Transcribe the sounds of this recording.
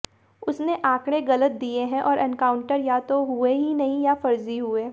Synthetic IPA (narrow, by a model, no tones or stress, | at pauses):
ʊsneʔãːkɽ̃ẽɣɐlət̪̚d̪ieɦɛ̃ʔɔːɾʔɛ̃nkaːʊ̃ɳʈəɾjaːt̪oɦʊeɦinɐɦĩjafɐɾziɦʊeː